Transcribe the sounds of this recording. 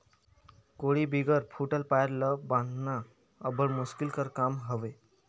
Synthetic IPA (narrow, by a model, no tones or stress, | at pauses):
koɽibiɡəɾpʰuʈəlpaeɾləbãnd̪ʱna | əbəɾmuskilkəɾkamɦəʋe